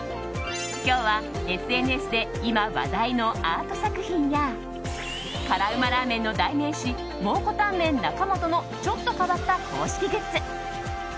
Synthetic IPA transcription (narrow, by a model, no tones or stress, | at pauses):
kʲo̞ːβa | e̞ɸɨ̟e̞nɯ̟e̞sɨd̪e̞ | imaβa̰d̪aino̞aːt̪o̞sakɯ̟çĩɰ̃ja | kaɾaɯ̟maɾaːmẽ̞nːo̞d̪aimẽ̞ɕi | mo̞ːko̞t̪ãmːẽ̞nːakamo̞t̪o̞no̞ | t͡ɕo̞t̪ːo̞kaβat̪ːakʰo̞̰ːɕi̥kʲiɡet͡sɨ